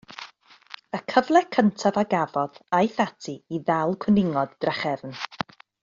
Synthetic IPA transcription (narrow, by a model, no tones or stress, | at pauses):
əkʰəvlˠɛkʰəntʰavaɡavɔðajθatʰiiðalˠkʰwənɪŋɔdd̥raχɛvn